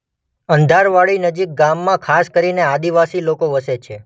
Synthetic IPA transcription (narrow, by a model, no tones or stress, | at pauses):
ənd̪ʱaɾʋaɭinəd͡ʒik̚ɡamːãkʰaskəɾinead̪iʋasilokoʋəset͡ʃʰe